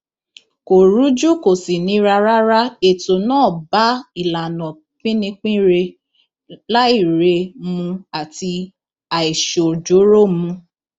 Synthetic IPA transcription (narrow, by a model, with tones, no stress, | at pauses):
ko˨ɾu˨˦d͡ʒu˦ko˨si˨nĩ˨˦ɾa˧ɾa˦ɾa˦e˨to˨nãː˦˨ba˨˦i˨la˨nɔ̃˨ | k͡pĩ˦nĩ˧k͡pĩ˦ɾe˧ | la˦i˦˨ɾe˧mũ˧a˨ti˧ | a˨i˨ʃo˨d͡ʒo˨˦ɾo˦˨mũ˧